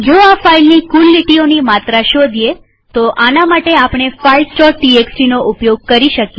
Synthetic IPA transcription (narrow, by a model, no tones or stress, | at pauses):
d͡ʒoafailnikulːiʈionimat̪ɾaʃod̪ʱje | t̪oʔanamaʈeapɳ̃efailsʈɔʈieksʈinoʔupjoɡ̚kəɾiʃəkje